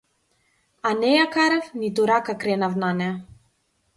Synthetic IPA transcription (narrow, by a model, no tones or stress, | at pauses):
anɛjakaɾafnit̪uɾakakɾɛnavnanɛ